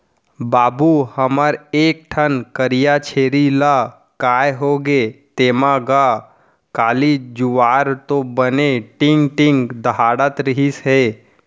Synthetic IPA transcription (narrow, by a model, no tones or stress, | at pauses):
baːbuhəməɾeːk̚ʈʰənkəɾijat͡ʃʰeːɾila | kaːjɦoːɡet̪eːmaɡa | kaːlid͡ʒʊʋaːɾt̪obəneʈɪ̃ŋɡʈɪ̃ŋɡd̪əɦaːɽət̪ɾɪɦisɦeː